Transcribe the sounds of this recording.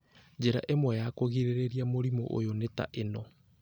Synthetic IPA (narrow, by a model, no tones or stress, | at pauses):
d͡ʑeɾaʔemwɛjakoɣiɾeɾeɾiamoɾimo̰ʔo̰joneta̰ʔenɔ